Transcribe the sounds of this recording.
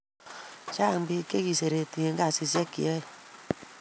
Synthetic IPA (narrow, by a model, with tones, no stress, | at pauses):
t͡ʃa˦˨m˦bi˦ke˦ki˨se˨ɾe˨ti˨e˨ŋɡa˦˨si˧s̬jɛ˦kḭ˨ɔ˦i˨